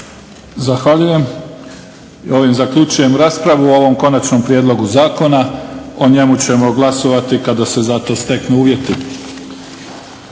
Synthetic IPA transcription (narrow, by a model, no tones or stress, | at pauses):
zaxʋaʎuje̞m | io̞ʋimzakʎut͡ʃuje̞mɾaːspɾaʋuoʋo̞mko̞nat͡ʃnompɾjeːd̪lo̞ɡuzaːko̞nao̞ɲe̞mut͡ɕe̞mo̞ɡlˠaso̞ʋat̪ikad̪ase̞zat̪o̞ːst̪e̞knuuːʋje̞t̪i